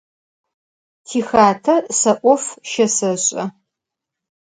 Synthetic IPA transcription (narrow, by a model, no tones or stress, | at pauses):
tʰiːxaːtʰɐsɐʔʷʼɔfʃɐsɐɕʼɐ